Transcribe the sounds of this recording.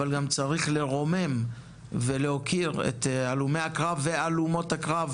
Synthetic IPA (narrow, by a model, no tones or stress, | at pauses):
alɡamt͡saʁiχle̞ʁo̞me̞m | velehokʰiʁḛt̪alume̞jhakʁavːe̞alumo̞thakʁav